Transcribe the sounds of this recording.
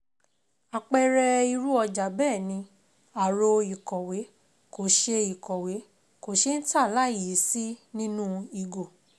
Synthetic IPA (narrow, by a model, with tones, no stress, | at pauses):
a˨k͡pɛ˧ɾɛ˧i˧ɾu˦ɔ˧d͡ʒa˨˦bɛː˦˨nĩ˧ | a˨ɾo˧i˨kɔ˨we˨˦ | ko˨ʃe˧i˨kɔ˨we˨˦ | ko˨ʃe˦n̩˦ta˦˨la˨˦i˨ji˨˦si˦nĩ˦nũ˦i˧ɡo˨